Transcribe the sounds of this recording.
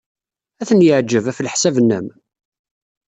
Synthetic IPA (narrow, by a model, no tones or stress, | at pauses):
æθənjəʕd͡ʒːəvæflħsævnːəm